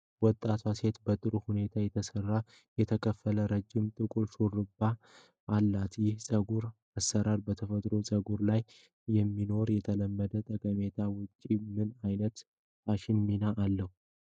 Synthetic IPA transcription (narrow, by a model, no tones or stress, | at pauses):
wɔt̪ʼːat̪ʰwase̞t̪bət̪ʼɨɾuhune̞t̪ʰajɛt̪ʰəsərːa | jɛt̪ʰəkʰəfːələɾəd͡ʒːɪmt̪ʼɨkʼulʃurɨbːa | ʔːlːat̪jɪhsʼəɡuɾ | asːəɾaɾbət̪ʰəfət̪ʼɾo̞sʼəɡuɾlaj | jɛmːino̞ɾjɛt̪ʰələmːəd̪ət̪ʼəkʼəmet̪ʰawʊt͡ʃʼːimɨnajnət̪ | aʃɪnminaʔalːəhu